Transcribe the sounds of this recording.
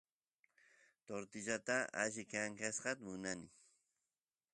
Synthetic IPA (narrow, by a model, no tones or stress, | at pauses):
t̪oɾt̪ɪʎat̪aa̰ʃɪkaŋkasqɑt̪amʊnanɪ